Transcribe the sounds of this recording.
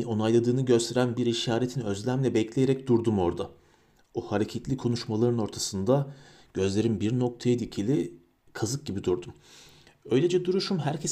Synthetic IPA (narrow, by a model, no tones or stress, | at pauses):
o̞najlˠad̪ɯːnɯɟø̞st̪ʰe̞ɾænbiɾiʃaːɾet̪ʰinø̞zlʲæmlʲɛbɛclʲe̞jeɾɛc̚d̪uɾd̪umo̞ɾd̪a | ohaɾecʰet̪lʲikʰo̞nuʃmalˠaɾɯno̞ɾt̪ʰasɯnd̪a | ɟ̥ø̞zlʲe̞ɾinbiɾno̞k̚t̪ʰajad̪iicʰilʲi | kʰazɯk̚ɟibid̪uɾd̪um | øjlʲed͡ʒɛd̪uɾuʃumɦæɾcʰes